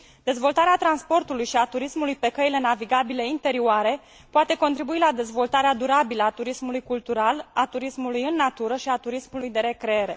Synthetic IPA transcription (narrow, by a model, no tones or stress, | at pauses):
d̪̥e̞zvo̞lt̪aɾeat̪ɾanspo̞rt̪ulujʃiat̪uɾismulujpe̞kəile̞naviɡabile̞int̪e̞ɾioaɾe̞ | poat̪e̞ko̞nt̪ɾibuilad̪e̞zvo̞lt̪aɾead̪uɾabiləat̪uɾismulujkult̪uɾalat̪uɾismulujɨnːat̪uɾəʃiat̪uɾismulujd̪e̞ɾe̞kɾeeɾe̞